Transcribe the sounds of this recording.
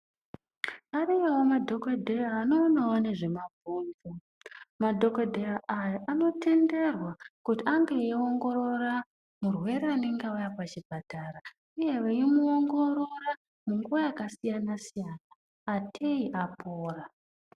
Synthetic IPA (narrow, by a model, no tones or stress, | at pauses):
aɾijewomadʱo̞kadʱeraːno̞ːnawone̞ʐe̞mavʱuːnvu | madʱo̞kadʱeraʔajaʔano̞tʰe̞nde̞rwakutiaŋɡeeo̞ŋɡo̞ɾo̞ra | murwe̞ɾeane̞ŋɡeujapat͡ʃibʱataɾa | uje̞ʋeimuoŋɡo̞ɾo̞ra | muŋɡuʋajakasijanasijanaː | tʰe̞iʔapʰoːra